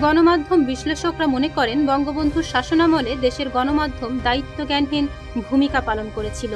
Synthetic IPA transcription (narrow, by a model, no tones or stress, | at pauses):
ɡɔnomad̪ʱːombiʃleʃokɾamonekɔɾenbɔŋɡobond̪ʱuɾʃaʃonamoled̪eʃeɾɡɔnomad̪ʱːomd̪ait̪ːoɡɛnɦin | bʱumikapalonkoɾet͡ɕʰilo